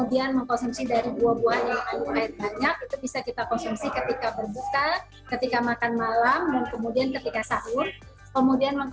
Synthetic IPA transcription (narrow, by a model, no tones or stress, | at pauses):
udianməŋkɔnsumsidaɾibuabuɦanjaŋajuaɪrbaɲak̚it̪ubisakit̪akɔnsumsikət̪ikabərbut̪a | kət̪ikamakanmalamdankəmudiankət̪ikasaʔʊn | kəmudianməŋk